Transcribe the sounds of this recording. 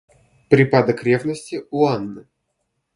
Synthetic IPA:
pɾʲɪpad̪əkɾʲevnəsʲtʲɪʊanːɨ

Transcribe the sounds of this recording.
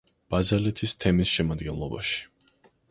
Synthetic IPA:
b̥azɛlɛt̪ʰist̪ʰɛmisʃɛmad̪ɡɛnlˠɔba̰ʃi̥

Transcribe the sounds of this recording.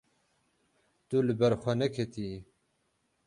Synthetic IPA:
t̪ulɨbɛɾxʷɐnɛkʰet̪ʰi

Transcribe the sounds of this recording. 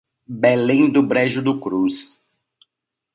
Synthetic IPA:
bɛlẽd̪ʊbɾɛʒʊd̪ʊkɾus

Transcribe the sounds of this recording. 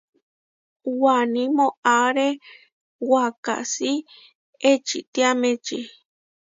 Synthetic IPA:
wanĩmõʔaɾe | waka̰si | et͡ʃit̪iamẽt͡ʃi

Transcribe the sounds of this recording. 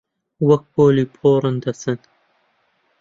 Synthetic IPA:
wɐk̚boːlipʰoːɾɨnd̪ɐsɨn

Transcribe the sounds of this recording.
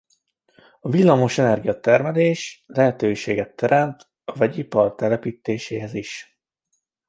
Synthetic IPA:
ɒvilːɒmo̞ʃɛnɛrɡijɒt̪ɛrmɛleːʃlɛɦɛt̪øːʃeːɡɛt̪ːɛɾʔɛmt̪ | ɒvɛɟipɒrt̪ɛlɛpiːt̪eːʃeːɦɛziʃ

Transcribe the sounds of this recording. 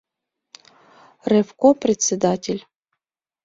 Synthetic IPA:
rɛfkoprʲet̪sʲed̪atʲelʲ

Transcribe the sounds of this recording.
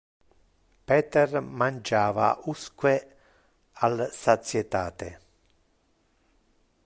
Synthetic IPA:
pɛːt̪ɛrmand͡ʒaːva̰uskwe | alsat̪sjet̪aːt̪ḛ

